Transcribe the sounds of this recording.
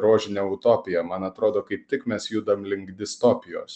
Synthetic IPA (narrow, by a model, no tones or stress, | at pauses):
ɾoːʒʲɪnʲɛʊt̪oːpʲɪjɛmɐnɐt̪ɾoːd̪oːkɐɪp̚t̪ʲɪkmʲɛsjuːd̪ɐmlʲɪŋɡd̪ʲɪst̪oːpʲɪjo̰ːs